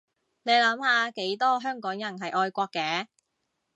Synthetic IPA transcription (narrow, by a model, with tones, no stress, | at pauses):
ne˨˧jlɐ˨˥mhaː˨ke˨˥jt̪ɔː˥ɦœː˥ŋkɔː˨˥ŋjɐ˨˩nɦɐ˨jʔɔː˧jkʷɔː˧kːɛː˧